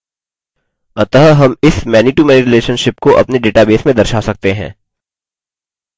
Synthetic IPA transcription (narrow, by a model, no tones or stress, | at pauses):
ɐt̪əɦɦɐmɪsmɛːniʈumɛːniɾɪleːʃənʃɪpkoʔɐ̰pneɖeːʈabeːsmẽd̪ɐɾʃasɐk̚t̪eɦɛ̰̃ː